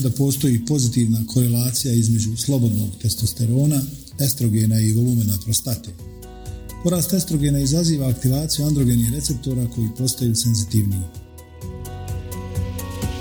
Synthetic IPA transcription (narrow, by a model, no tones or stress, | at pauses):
d̪apo̞ːst̪o̞jipo̞zit̪iʋnakʰo̞ɾe̞laːt̪sijaizme̞d͡ʑuslˠo̞bo̞d̪no̞̰ːɡt̪e̞st̪ost̪e̞ɾo̞ːna | est̪ɾo̞ɡe̞naiɡo̞lumenapɾo̞st̪at̪e | po̞ɾaːst̪e̞st̪ɾo̞ɡe̞naizaziːʋaːkt̪iʋaːt̪sijuand̪ɾo̞ɡe̞nixɾe̞tse̞p̚t̪o̞ɾako̞jipo̞st̪ajuːse̞nzit̪iʋnii